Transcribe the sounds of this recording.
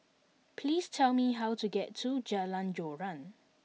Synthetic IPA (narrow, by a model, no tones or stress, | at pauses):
pʰliːstʰɛlmiɦawtuɡɛtʰːud͡ʒəlãnd͡ʒɔɹãn